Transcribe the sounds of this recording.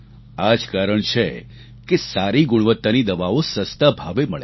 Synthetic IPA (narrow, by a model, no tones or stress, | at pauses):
ad͡ʒkaɾəɳt͡ʃʰe | kesaɾiɡʊɽ̃ʋət̪ːanid̪əʋaosəst̪abʱaʋeməɭe